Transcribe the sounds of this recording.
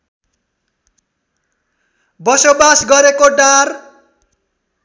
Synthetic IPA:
bʌsobasɡʌɾekoɖar

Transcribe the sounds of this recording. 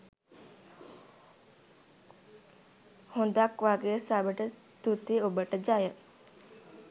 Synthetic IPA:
hond̪akʋaɡesabəʈə | t̪ut̪iobəʈəd͡ʒajə

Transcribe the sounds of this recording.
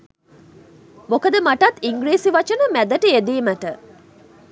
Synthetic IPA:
mokəd̪əmaʈɐt̪ːiŋɡɾiːsiʋat͡ʃənəmæd̪əʈəed̪iːməʈə

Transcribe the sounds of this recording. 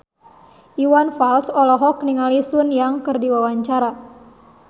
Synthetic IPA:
ʔiwanfalsɔlɔɦɔk̚niŋalisunjaŋkɨrdiwawaɲt͡ʃaɾa

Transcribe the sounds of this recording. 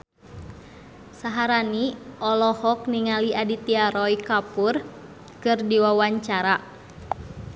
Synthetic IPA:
saɦaɾaniɔlɔhɔk̚niŋaliadit̪iaɾɔikapur | kɨrdiwawaɲt͡ʃaɾa

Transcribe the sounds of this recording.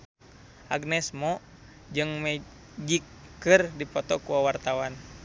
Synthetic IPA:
ʔa̰ɡnɛsmɔ | d͡ʒɨŋmɛ | d͡ʒikːɨrdipɔt̪ɔkuwawart̪awan

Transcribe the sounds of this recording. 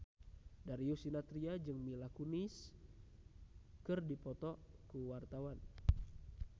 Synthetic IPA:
daɾiusinat̪ɾiad͡ʒɨŋmilakunis | kɨrdipɔt̪ɔkuwart̪awan

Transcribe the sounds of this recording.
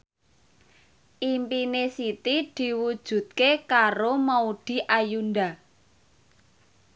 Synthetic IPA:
ʔimpinesit̪id̪̥i̤wud̥ʒ̥ṳt̪̚kekaɾomaud̪̥i̤ʔajund̪a

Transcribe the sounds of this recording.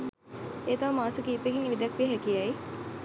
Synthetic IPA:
eːt̪aʋəmaːsəkiːpekiŋilid̪ɐkʋiɦækijɐji

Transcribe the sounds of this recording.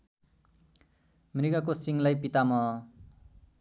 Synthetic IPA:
mɾiɡakosiŋlajpit̪amʌ

